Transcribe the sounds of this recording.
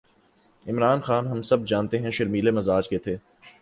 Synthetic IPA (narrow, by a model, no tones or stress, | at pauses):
ɪmɾaːnxaːnɦɐmsɐb̚d͡ʒaːnt̪eɦɛ̃ʃɐɾmiːlemɐzaːd͡ʒket̪ʰeː